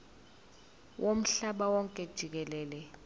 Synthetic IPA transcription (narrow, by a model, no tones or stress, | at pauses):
wʔom̩ɬaɓawɔŋkʼɛd̥ʒ̥ʱik̬ɛlɛːlɛ